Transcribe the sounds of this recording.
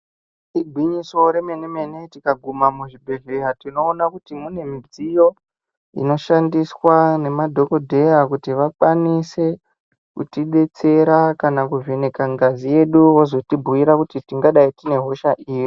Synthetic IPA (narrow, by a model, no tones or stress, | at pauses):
iɡʱwiɲiso̞ɾe̞me̞neme̞ne̞tikaɡʱumamuʐibʱe̞ɮeɦatino̞ːnakutimune̞mid͡zijo̞ | ḭno̞ʃandiswane̞madʱo̞ko̞dʱe̞jakutiʋakwanise̞ | kṵtiɓe̞t͡se̞ɾakanakuve̞nekaŋɡazije̞ɗuwozo̞tibʱuiɾakutitiŋɡaɗaitine̞ɦo̞ʃaʔiːji